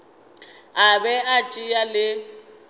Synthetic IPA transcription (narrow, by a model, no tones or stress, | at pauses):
abɛat͡ʃʼijalɪ